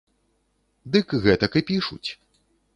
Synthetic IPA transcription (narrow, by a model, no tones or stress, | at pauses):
d̪ɨkɣɛt̪ɐkɨpʲiʂṵt͡sʲ